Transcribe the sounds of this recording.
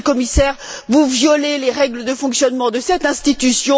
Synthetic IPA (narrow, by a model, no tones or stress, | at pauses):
kɔmisɛːʁ | vuvjɔleleʁɛɡləd̪əfɔ̃ksjɔnmɑ̃d̪əsɛt̪ɛ̃st̪it̪ysjɔ̃